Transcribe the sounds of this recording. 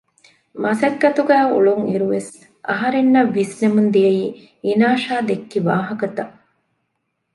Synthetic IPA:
mɐsɐɡːɐt̪uɡæːṵɭuŋiɾuʋes | ʔɐ̰ɦɐɾenːɐʋːisnemund̪ijɐjiː | inaːʃaːd̪ekːiʋaːɦɐkɐt̪ɐʔ

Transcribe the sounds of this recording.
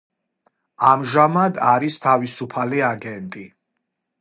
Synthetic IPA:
amʒamad̪aɾist̪ʰavisupʰaliaɡɛnt̪ʼi

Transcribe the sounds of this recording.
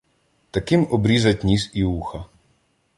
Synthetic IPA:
t̪ɐkɪmɔbɾʲizɐtʲnʲisiuxɐ

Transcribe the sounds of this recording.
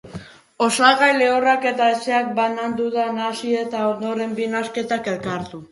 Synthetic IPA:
o̞salɣajle̞orake̞t̪aese̞ak̚banand̪uðanasie̞t̪ao̞nd̪o̞ɾe̞mbinaske̞t̪ake̞lkaɾt̪u

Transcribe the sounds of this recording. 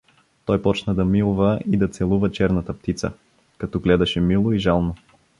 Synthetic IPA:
t̪ɔjpɔt͡ʃnəd̪ɐmilˠvəid̪ɐt̪sɛlˠuvət͡ʃɛɾnɐt̪əp̚t̪it̪sə̰ | kɐt̪ɔɡlɛd̪ɐʃɛmilˠoiʒalˠno

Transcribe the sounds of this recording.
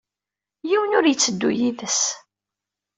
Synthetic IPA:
jiwənʊɾjət͡sːəd̪ːṵjiðəs

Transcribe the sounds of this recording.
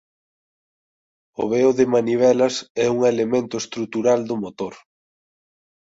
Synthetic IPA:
ʊ̰βeʊðɪmaniβ̞ɛlɐsɛuŋelemẽnt̪ʊest̪ɾut̪uɾald̪ʊmot̪oɾ

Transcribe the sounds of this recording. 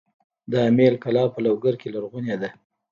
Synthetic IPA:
d̪əamelkalɑpəlawɡaɾkelaɾɣunjad̪a

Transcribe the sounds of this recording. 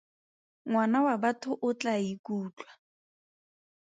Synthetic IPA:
ŋwanawabatʰʊʔʊt͡ɬʼaikuːt͡ɬʼwa

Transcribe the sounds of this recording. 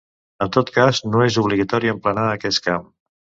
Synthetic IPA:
ənt̪ot̪kaznoezuβliɣət̪ɔɾiəmplənaəkɛskam

